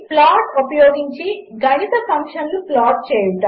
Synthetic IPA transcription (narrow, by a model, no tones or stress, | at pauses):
plaːʈupɐjoːɡiɲt͡ʃiɡɐnit̪ɐsɐmʂɐnluplaːʈ̚t͡ʃeːjuʈɐ